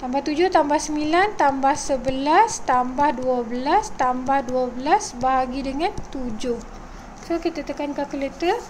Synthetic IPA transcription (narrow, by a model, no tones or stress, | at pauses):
t̪ambaht̪ud͡ʒʊht̪ambahsəmilant̪ambahsəbəlast̪ambahduəbəlast̪ambahduəbəlasbaɦaɡidəŋãnt̪ud͡ʒʊh | sokit̪ət̪əkankakələt̪ə